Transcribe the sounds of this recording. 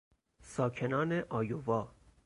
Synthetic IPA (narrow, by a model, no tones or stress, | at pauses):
sɒːcʰe̞nɒːneʔɒːjovɒː